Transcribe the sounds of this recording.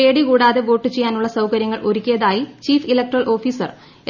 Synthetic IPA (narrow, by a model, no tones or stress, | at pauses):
e̞ːɽikuːɽaːðeʋo̞ːʈːɨt͡ɕejːaːnuɭːɐsɐwkɐɾjɐŋːɐɭʔo̞ɾukʲːijɐðaːjit͡ɕiːfilɐk̚ʈːɐrɐɭʔo̞ːfiːsɐr